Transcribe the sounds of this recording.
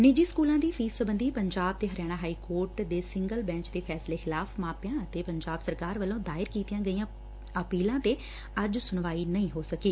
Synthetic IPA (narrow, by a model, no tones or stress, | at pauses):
nɪd͡ʒiːskuːlãːd̪iːpʰiːsəbənd̪iːpəɲd͡ʒaːb̚t̪eːɦəɾjaːñaːɦaːiːkoːɾʈd̪eːsɪ̃ŋɡəlbɛ̃ːt͡ʃd̪eːpʰɛːsleːxɪlaːpʰmãːpjãːət̪eːpəɲd͡ʒaːbsəɾkaːɾʋəlːõːd̪aːɪɾkiːt̪ijãːɡəiːãː | əpiːlãːt̪eː | əd͡ʒsʊnʋaːiːnəĩːɦoːsəkiː